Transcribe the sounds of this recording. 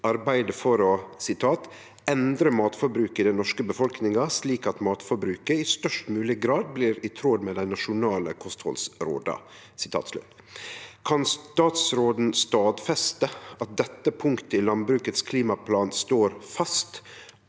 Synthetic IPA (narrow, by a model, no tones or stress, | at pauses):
ɑɾbæɪd̪əfɔɾɔsɪt̪ʰɑːt̪ | ɛnd̪ɾəmɑːt̪fɔɾbɾʉːkɪd̪ɛnɔʂkəbəfɔlknɪŋɑsliːkɑt̪mɑːt̪fɔɾbɾʉːkəɪst̪œʂʈmʉːlɪɡɾɑːd̪̚bliːɾɪt̪ʰɾoːd̪med̪æɪnɑʂʊnɑːləkʰɔst̪hɔ̰lsɾo̰ːd̪ɑ̰ | sɪt̪ʰɑ̰ːt̪slʉ̰t̪ | kʰɑnst̪ɑːt̪sɾoːd̪n̩st̪ɑːd̪fɛst̪əɑt̪̚d̪ɛt̪ːəpʰʊŋkt̪əɪlɑnbɾʉːkət̪skʰliːmɑpʰlɑːnst̪oːɾfɑst̪